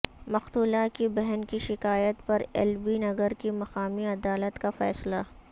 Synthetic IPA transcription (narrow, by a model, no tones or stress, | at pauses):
mɐxt̪uːlakibɛɦnkiʃɪkaːjət̪pɐɾɛ̰lbinɐɡəɾkimɐxaːmiɐd̪aːlət̪kafɛːsla